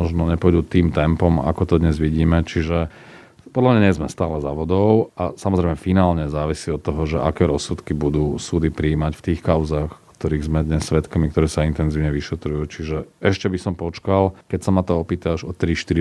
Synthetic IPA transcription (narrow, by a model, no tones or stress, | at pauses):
ɔʒnɔɲɛpɔɛd̪uːt̪iːmt̪ɛmpɔma̰kɔt̪ɔd̪ɲɛzʋiɟiːmɛt͡ʃiʒɛ | pɔd̪lamɲaɲɛzmɛst̪aːlɛzaʋɔd̪ɔʊasamɔzɾɛɪmɛfinaːlɲɛzaːʋisiːɔt̪ːɔɦɔʒɛʔa̰kɛːɾɔsut̪kibud̪uːsuːd̪ipɾiːmacft̪iːxkaʊzaːxkt̪ɔɾiːɣzmɛd̪ɲɛsːʋɛt̪kamik̚t̪ɔɾɛːsaint̪ɛnziːʊɲɛʋiʃɛt̪ɾujuːt͡ʃiʒɛɛʃcɛbisɔmpɔt͡ʃkalkɛcsamat̪ɔɔpiːt̪aʒɔt̪ɾiʃt̪iɾi